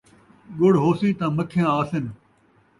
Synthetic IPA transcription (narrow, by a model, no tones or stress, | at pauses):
ɠʊɽɦoːsiːt̪ãːməkʰjãːaːsɪn